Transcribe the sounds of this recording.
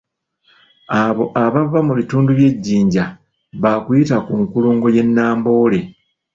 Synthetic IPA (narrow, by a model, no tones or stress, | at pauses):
aβo̞ʔaβavːamuβituːnduβje̞ɟːiːɲɟa | βakwitakuŋkuluːŋɡo̞je̞nːaːmbo̞ːle̞